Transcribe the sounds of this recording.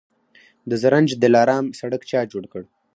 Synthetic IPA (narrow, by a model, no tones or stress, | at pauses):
d̪əzaɾand͡ʒd̪əlɑːɾɑːmsaɽəkt͡ʃɑd͡ʒoɽkəɽ